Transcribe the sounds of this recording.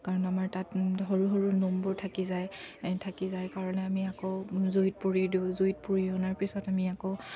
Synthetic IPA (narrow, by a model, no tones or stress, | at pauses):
kaɹɔnamaɹtatɦoɹuɦoɹunombɔɹtʰakizajtʰakizajkaɹɔnɛamiakozojt̚puɹidiʊ̃zojt̚puɹiɔnaɹpisɔtamiako